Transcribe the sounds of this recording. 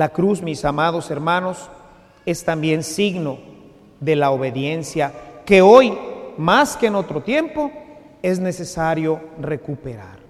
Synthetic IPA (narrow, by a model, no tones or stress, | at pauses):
lakɾuzmisamað̞o̞se̞ɾmãno̞s | e̞st̪ambje̞nsiɣno̞ | ðe̞laoβe̞ðje̞nsjake̞ojmaskeːno̞t̪ɾo̞t̪je̞mpo̞ | e̞zne̞se̞saɾjo̞re̞kupe̞ɾa̰ɾ